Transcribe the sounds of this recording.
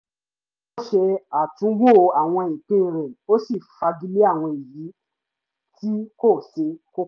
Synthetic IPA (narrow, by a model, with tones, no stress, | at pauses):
o˦ʃe˧a˨tũ˨˦wo˦˨˧a˨w̃ɔ̃˧i˨k͡pĩ˦˨ɾ̃ɛ̃˨o˦si˦˨fa˧ɡi˦le˦a˦˨w̃ɔ̃˧i˨ji˨˦ | tʰi˦ko˦˨se˧˦ko˦